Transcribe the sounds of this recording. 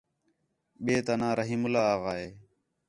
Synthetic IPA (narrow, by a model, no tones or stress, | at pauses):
ɓeːt̪anãːɾəɦiːmʊlaːaːɣaːeː